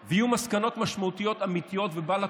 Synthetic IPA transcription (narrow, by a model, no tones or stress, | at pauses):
vejiumaskano̞t̪maʃmaut̪ijo̞t̪amit̪ijo̞t̪vebala